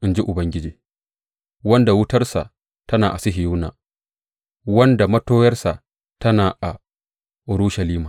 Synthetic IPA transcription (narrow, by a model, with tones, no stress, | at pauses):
ʔɪ˦nd͡ʒi˦ʔʊ˨bɐ˦ŋɡʲɪ˦d͡ʒiː˨ | wɐ˦nda˨wʊ˦tɐ˦rsa̰˨ʔ | tɐ˦naː˨ʔa˨sɪ˦ɦɪ˨juː˦na̰ː˨ | wɐ˦nda˨mɐ˦toː˦jɐ˦rsa˨ | tɐ˦naː˨ʔa˨ | ɾuː˦ʃɐ˨liː˦maː˨